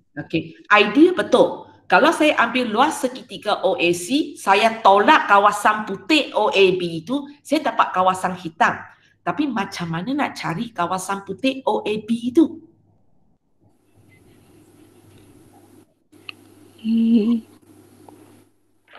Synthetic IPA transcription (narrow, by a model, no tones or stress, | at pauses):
okeʔaidibət̪ʊl | kalawsajaʔambɪrluasːəkit̪ikaʔoʔesisajat̪olaʔ̚kawasanput̪eʔoʔebiːt̪usajadapa̰ʔ̪̚kawasanhit̪am | t̪apimat͡ʃamːanana̰ʔt͡ʃaɾikawasanput̪ɪʔoʔebiːt̪u